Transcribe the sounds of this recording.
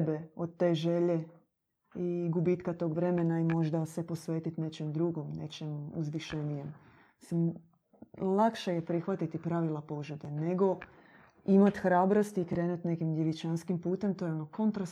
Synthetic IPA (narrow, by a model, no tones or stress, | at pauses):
beod̪̚t̪e̞ːʒe̞ʎe̞ | iɡubit̪kat̪o̞ːɡʋɾe̞me̞naimo̞ʒd̪ase̞po̞sʋe̞ːt̪it̪ne̞t͡ɕemd̪ɾuɡo̞mne̞t͡ʃemuzʋiʃenijem | isim | lˠakʃeje̞pɾixʋat̪it̪ipɾaʋilˠapo̞ʒud̪ene̞ɡo̞ | imat̪xɾaːbɾost̪iːkɾe̞ːnut̪ne̞kimd̪jeʋit͡ʃanskimpuːt̪emt̪ojeonoko̞nt̪ɾas